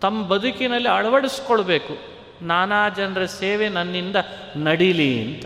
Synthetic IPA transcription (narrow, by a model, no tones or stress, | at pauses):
t̪ɐmːɐbɐd̪ʱukinɐlːiɐɭɐʋɐɽiskoɭbe̞ːku | naːnaːd͡ʒɐnɐɾɐseːʋenɐnːind̪ɐ | nɐɽilḭnt̪ɐ